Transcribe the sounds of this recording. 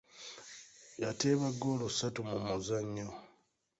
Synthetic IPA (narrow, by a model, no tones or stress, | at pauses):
jateːβaɡoːlosatumumuzaɲːo